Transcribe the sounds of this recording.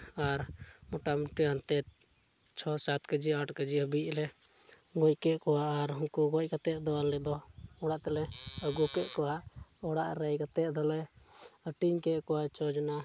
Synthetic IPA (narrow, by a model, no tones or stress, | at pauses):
aɾmɔʈamiʈiant̪ɛ | t͡ʃʰɔsat̪kəd͡ʒiaʈkəd͡ʒiəbic̚lɛ | ɡɔc̚kɛʔkɔwaʔaɾɦunkuɡɔc̚kat̪ɛʔd̪ɔalɛd̪ɔɔɽaʔt̪ɛlɛəɡukɛʔkɔwaʔɔɽaʔɾɛjkat̪ɛʔd̪ɔlɛəʈiŋkɛʔkɔwat͡ʃɔd͡ʒna